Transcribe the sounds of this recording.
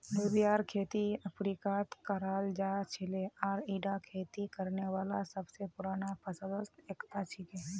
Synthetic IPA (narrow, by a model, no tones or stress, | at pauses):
oːbijaːɾkʰeːt̪iɐpʰɾiːkaːt̪kəɾaːld͡ʒaːt͡ʃʰɪleɔːɾiːɖakʰeːt̪ikəɾneʋaːlasɐbsepʊɾaːnapʰɐsə̃d̪əst̪eːkt̪at͡ʃʰɪke